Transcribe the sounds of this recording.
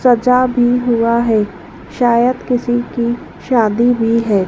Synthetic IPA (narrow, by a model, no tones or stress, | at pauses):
sɐd͡ʒabʱiɦʊaɦɛː | ʃaːjəd̪kɪsiki | ʃaːd̪ibʱiɦɛː